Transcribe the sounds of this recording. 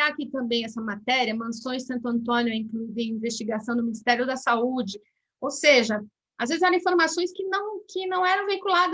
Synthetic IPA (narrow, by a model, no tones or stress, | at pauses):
akit̪ɐ̃mbẽj̃ɛsɐmat̪ɛɾiɐmɐ̃sõj̃ssɐ̃nt̪ʊɐ̃nt̪̬õnjʊẽkluuivɪĩvest͡ʃiɡasɐ̃w̃d̪ʊminist̪ɛɾjʊd̪ɐsaud͡ʒɪ | owseʒɐ | azvezɪzaɾĩfoɾmasõj̃skɪnɐ̃w̃kʰɪnɐ̃w̃ɛɾɐ̃w̃vejkulad̪